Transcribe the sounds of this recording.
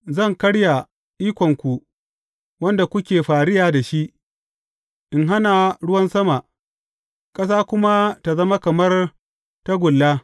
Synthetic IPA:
zɐ˦˨ŋkɐ˦ɽja˨ | ʔiː˦kʷɔ˨ŋkʷu˨ | wɐ˦nda˨kʷʊ˦kʲeː˨ɸaː˨ɽɪ˦jaː˨da˨ʃi˦ʔ | ʔɪ˨ŋɦa˦na˨ɽʊ˦wɐ˦nsɐ˦ma˨ʔ | kʼɐ˦s̬aː˦kʷʊ˦ma˦ta˨zɐ˦ma˦kɐ˨mɐ˦r | tɐ˦ɡʷʊ˨lːaː˦

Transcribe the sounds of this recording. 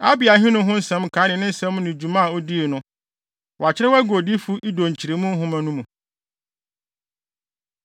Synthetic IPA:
a̰˦bɪ˨a˨ɦɪ̃˦nʊ̃˦ɦʊ̃˦n̩˦sɛ̃˦mkʰa˨˦nɪ̃˨nɪ̃˦n̩˦sɛ̃˦m˦nʊ̃˨d͡ʑu˨mã˦a˨o˦di˦e˨nʊ̃˦ | wɔ˨a˨t͡ɕʰɪ˦ɾɛ˦wæ˦ɡo˨di˦fu˦ʔi˦do˨ɲ˨t͡ɕʰi˨ɾe˨˦mũ˦ɦʊ̃˦mæ̃˨nũ˦mũ˨

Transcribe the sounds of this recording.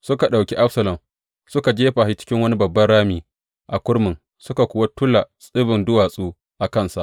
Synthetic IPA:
sʊ˦ka˨ɗa˨wkʲi˦ʔa˦ɸsɐ˨lɐ˨m | sʊ˦ka˨d͡ʒeː˦ɸaː˨hi˦t͡ʃɪ̥˦kʲɪ˦ŋwɐ˦ni˦bɐ˨bːɐ˦nɽaː˦miː˨ | ʔa˨kʷʊ˦ɽmɪ˨ŋ | sʊ˦ka˨kʷʊ˨wa˦tʊ˦la˨sʼɪ˦bɪ˨ndʊ˦waː˨sʼuː˦ | ʔa˨kɐ˦˨nsa̰˦ʔ

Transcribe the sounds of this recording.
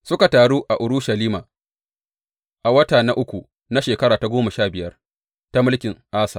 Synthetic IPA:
sʊ˦ka˨taː˨ɽuː˦ʔa˨ʔʊ˨ɾʊ˦ʃa˨liː˦maː˨ | ʔa˨wɐ˦taː˨na˦ʔʊ˦kʷu˨ | na˦ʃeː˨kɐ˦ɽaː˨ta˨ɡʷoː˦ma˨ʃaː˦bɪ˨jɐ˦r | ta˦mɪ˦lkʲɪ˨ŋʔaː˦sa̰ː˨

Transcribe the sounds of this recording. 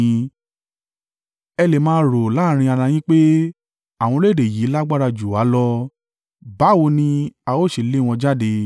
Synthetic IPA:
ɛ˧le˨mãː˧˦ɾo˨la˦˨ɾ̃ĩ˧a˧ɾã˧˨j̃ĩ˦k͡pe˦ | a˨w̃ɔ̃˧˦le˦˨de˨ji˨˦la˦ɡ͡ba˦ɾa˧d͡ʒu˨a˨˦lɔ˧˦ | ba˨˦wo˧nĩ˧a˧o˦˨ʃe˨le˦˨w̃ɔ̃˧d͡ʒa˦˨de˧

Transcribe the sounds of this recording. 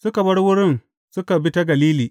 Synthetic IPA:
sʊ˦ka˨bɐ˦ɽwʊ˦ɽɪ˦n | sʊ˦ka˨bɪ˦ta˦ɡɐ˨liː˦liː˨

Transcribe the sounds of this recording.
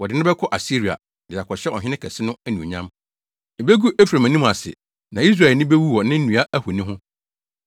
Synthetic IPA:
wɔ˨dɪ˨˦nɪ̃˦bɛ˦kʰɔ˦ʔa˨si˦ɾi˨a̰˨ | dɪ˨a˨kʰɔ˨ɕɛ˦ɔ˨ɦɪ̃˦nɪ̃˦kʰɛ˨sɪ˦nʊ̃˦ɛ˦nĩ˨ɲã˦m | e˨be˦ɡu˦ʔɛ˦fɾa˨mã˨nĩ˦m˨a˨sɪ̰˨ | nã˨i˦s̬ɾa˨ɛ˨nɪ̃˦be˦wu˦wɔ˨nɪ̃˦n̩˦nũ˨a˦ʔæ˦hu˨nĩ˦ɦʊ̃˦

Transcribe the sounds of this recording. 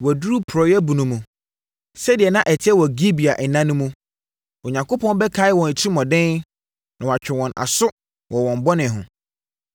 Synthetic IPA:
wɔ˨du˦ɾu˦pʰʊ˨ɾɔ˨jɛ˦bũ˨nũ˨mũ˨ | sɛ˦dɪ˨ɛ˨nã˦ʔɛ˨tʰɪ˦ɛ˦wɔ˨ɡi˦bi˨a˨ʔɛ˨nːã˦nʊ̃˦mũ˦ | o˨ɲã˨ŋko˦pʰɔ̃˦n˦bɛ˦kʰa˨˦ɪ˦wɔ̃˨n˨t͡ɕʰi˦mɔ̃˨dɪ̃˦n | nã˨wa˨t͡ɕᶣɪ˨wɔ̃˨na̰˨sʊ˦ | wɔ˨wɔ̃˨m˨bɔ˦nɪ̃˨ɦʊ̃˨

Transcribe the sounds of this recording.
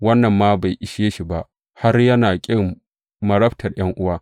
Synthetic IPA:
wɐ˦nːɐ˨mːaː˦ba˨jʔɪ˨ʃeː˦ʃi˨ba˦ʔ | ha˦rjɐ˦naː˨kʲʼɪ˦˨ŋ | mɐ˨ɾɐ˦btʰɐ˨rj̰ɐ˦ŋʔʊ˦waː˦

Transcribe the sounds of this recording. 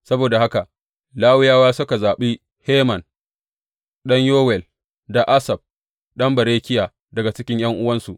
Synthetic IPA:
sɐ˦boː˨da˨ha˦ka˨ʔ | laː˦wɪ˦jaː˦waː˦sʊ˦ka˨zaː˨ɓi˦ | heː˦mɐ˨n | ɗɐ˦ɲjoː˦wɛ˨l | da˨ʔa˦sɐ˨b̚ | ɗɐ˦mbɐ˨ɾeː˦kʲɪ˦jaː˨ | dɐ˨ɡa˨t͡ʃɪ˦kʲɪ˦ɲj̰ɐ˦ŋʔʊ˦wɐ˦nsu˨ʔ

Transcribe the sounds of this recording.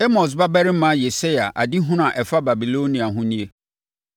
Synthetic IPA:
e˦mɔ̃˨s̬ba˦bɛ˦ɾɪ˦mã˦je˨se˦ja˨ʔa˨di˦ɦʊ̃˦n˦ã˨ʔɛ˨fa˦ba˨bi˨lo˦nĩ˨a˨ɦʊ̃˦nĩ˦e˦

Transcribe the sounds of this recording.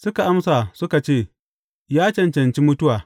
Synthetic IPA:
sʊ˦ka˨ʔa˦msaː˨sʊ˦ka˨t͡ʃeː˦˨ | jaː˦t͡ʃɐ˨nt͡ʃɐ˨nt͡ʃi˦mʊ˦tʊ˦waː˨

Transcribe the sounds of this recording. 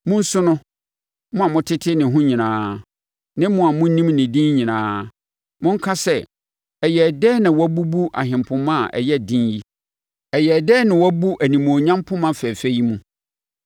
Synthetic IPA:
mʊ̃˦n̩˦sʊ˦nʊ̃˦ | mʊ̃˦a˨mʊ̃˦tʰɪ˦tʰɪ˦nɪ̃˨ɦʊ̃˦ɲĩ˨nãː˦ | nɪ̃˦mʊ̃˦a˨mʊ̃˦n˦nĩ˦mnɪ̃˨dĩ˦n˦ɲĩ˨nãː˨˦ | mʊ̃˦ŋ̩˦kʰa˦sɛ˦ | ɛ˨jɛ˨dɛː˦nɪ̃˨wɔ˦bu˦bu˦ʔa̰˨ɦɪ̃˨m˨pʰʊ̃˨mã˦˨ʔɛ̰˨jɛ˦˨dĩ˦nji˦ | ɛ˨jɛ˨dɛː˦nɪ̃˨wɔ˦bu˦ʔæ˨nĩ˨mõ˨ɲã˦mpʰʊ̃˦mã˦fɛ˨fæ˦ji˦mũ˨

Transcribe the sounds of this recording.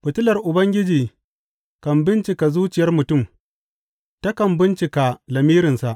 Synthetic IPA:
ɸɪ˨tʊ˦lɐ˨rʔʊ˨bɐ˦ŋɡʲɪ˦d͡ʒiː˨ | kɐ˨mbɪ˦nt͡ʃɪ˨ka˨zuː˦t͡ʃɪ˨jɐ˦rmʊ˨tʊ˦˨m | ta˦kɐ˨mbɪ˦nt͡ʃɪ˨ka˨lɐ˨miː˦ɾɪ˨nsa˨ʔ

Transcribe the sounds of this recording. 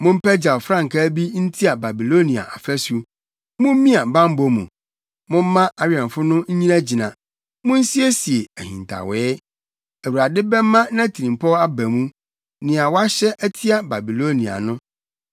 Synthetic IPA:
mʊ̃˦m̩˦pæ˦d͡ʑa˨fɾã˦ŋ˨kʰa˦bi˦n̩˦tʰi˦a˨ba˨bi˨lo˦nĩ˨a̰˨ʔa˨fæ˦su˦ | mʊ̃˦m˦mĩ˦a˨bã˦m̩˦bo˦mṵ̃˨ | mʊ̃˦m̩˦mã˦ʔa˨ɥi˨ã˨fʊ˦nʊ̃˦ɲ̩˦ɲĩ˦næ̃˦d͡ʑi˨nã˨ | mʊ̃˦n̩˦si˦e˦si˨e˨æ˨hḭ̃˨n˨tʰa̰˨wɛː˦ | æ˨wu˨ɾa˨dɪ˦bɛ˦m˦mːã˦nã˦tʰi˨ɾĩ˨m˨pʰɔ˦a˦bæ˨mũ˦ | nɪ̃˨a˨wa˦ɕɛ˦ʔæ˦tʰi˦a˨ba˨bi˨lo˦nĩ˨a̰˨nʊ̃˦

